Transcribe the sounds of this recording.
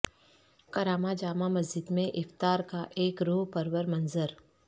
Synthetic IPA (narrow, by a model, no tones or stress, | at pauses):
kɐɾaːmad͡ʒaːmamɐzd͡ʒɪd̪mẽʔɪft̪aːɾkaʔeːkɾoːɦpɐɾwəɾmɐnzəɾ